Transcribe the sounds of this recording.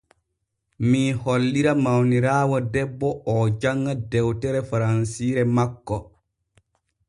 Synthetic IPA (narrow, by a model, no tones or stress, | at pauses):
miːholːiɾamawniɾaːwɔdɛbːɔɔd͡ʒaŋɡadɛwtɛɾɛfaɾansiːɾɛmakːɔ